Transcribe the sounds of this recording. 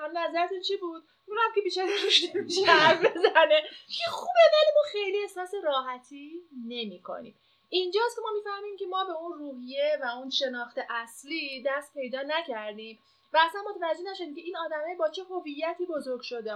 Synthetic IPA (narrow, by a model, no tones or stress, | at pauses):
hælnæzæɾet̪unt͡ʃʰibud̪̥̚ | miɾæmcʰebiːʃæɾiɾuʃd̪eʃæfbezænekʰexubed̪ænimuxe̞jliːesɒːseɾɒːɦæt̪ʰiːne̞miːkʰo̰nḭːm | ʔind͡ʒɒːst̪kʰʲemɒːmiːfæhmiːmcʰʲe̞mɒːbe̞unruːɦijevæunʃe̞nɒːxt̪e̞ʔæsliːd̪æst̪̚pʰe̞jd̪ɒːnæcʰæɾd̪im | væːsænmot̪ʰævæd͡ʒːenæʃo̞d̪iːmcʲʰe̞iːnɒːd̪æmɛːjbɒːt͡ʃʰe̞ɦo̞vijːæt̪ʰiːbo̞zoɾɡʲʃo̞d̪e